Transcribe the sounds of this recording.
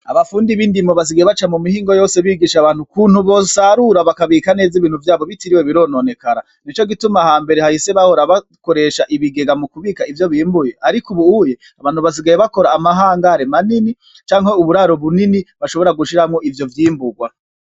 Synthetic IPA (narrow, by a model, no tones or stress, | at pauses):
a̰βafuːndiβiːndimoβas̬iɡajeβat͡ʃamumihiːŋɡo̞jo̞ːse̞βiːɡiːʃaβaːn̥hukuːn̥huβo̞saɾuɾaβakaβikane̞ːziβiːn̥uvjaːβo̞βitiɾiweβiɾo̞ːnone̞kaɾa | nit͡ʃo̞ɡitumahaːmbe̞ɾehahise̞βaho̞ɾaβa | ko̞ɾe̞ʃaʔiβiɡe̞ɡamukuβiːkaivjo̞βiːmbuje̞aɾikuβuuje̞ | aβaːn̥huβas̬iɡajeβako̞ɾaːmaɦaːŋɡaɾemanini | t͡ʃaːŋ̥heuβuɾaɾo̞βuniniβaʃo̞βo̞ɾaɡuʃiɾamŋo̞ʔivjo̞vjiːmbuɡwa